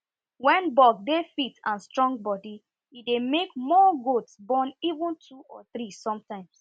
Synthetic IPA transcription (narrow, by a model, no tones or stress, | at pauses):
wɛ̃nbɔɡ̚defitãnstɹɔ̃ŋɡ̚bɔdi | idemekmɔɡotsbɔ̃nivũntʰuɔθɾisɔ̃mtãɪ̃ms